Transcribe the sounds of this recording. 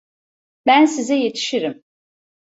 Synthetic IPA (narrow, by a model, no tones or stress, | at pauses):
bænsizɛje̞t̪ʰi̥ʃiɾim